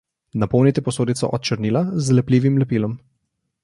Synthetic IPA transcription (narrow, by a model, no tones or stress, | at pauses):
napɔwnit̪ɛpɔsoːd̪it̪sɔ̰ʔɔt̪̚t͡ʃəɾniːlazlɛpliːʋimlɛpiːlɔm